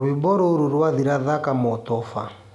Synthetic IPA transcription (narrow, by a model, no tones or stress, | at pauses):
wibɔɾɔuɾuɾuwaðiɾaðakamɔtɔfa